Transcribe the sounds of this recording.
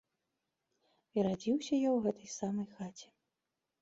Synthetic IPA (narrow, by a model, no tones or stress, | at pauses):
iɾad͡zʲiwsʲɐjawɣɛt̪ɐjsamɐjxat͡sʲɛ̥